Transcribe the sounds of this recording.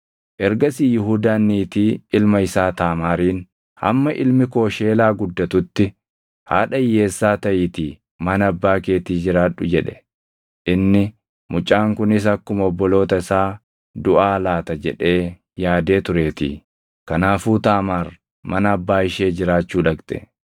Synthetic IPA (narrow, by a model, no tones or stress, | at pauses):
ʔɛɾɡɐsiːjɪɦuːd̪aːnːiːt̪iːɪlmɐɪsaːt̪aːmaːɾiːn | hɐ̰mːɐʔɪlmɪko̞ːʃeːlaːɡʊd̪ːɐt̪ʊt̪ːɪ | ha̰ːᶑɐɪjːe̞ːsːaːt̪ɐʔɪːt̪iː | mɐnɐbːaːke̞ːt̪iːd͡ʒɪɾaːᶑʊd͡ʒɛᶑɛ̥ | ʔɪnːɪ | mʊt͡ʃʼːaːŋkʊnɪs̬ɐkːʊmɔbːɔlo̞ːt̪ɐɪsaː | d̪ʊʔaːlaːt̪ɐd͡ʒɛᶑe̞ː | jaːd̪e̞ːt̪ʊɾe̞ːt̪ḭː | kɐnaːfuːt̪aːmaːɾ | mɐnɐɐbːaːɪʃe̞ːd͡ʒɪɾaːt͡ʃːuːᶑɐkt̪ʼɛ̥̰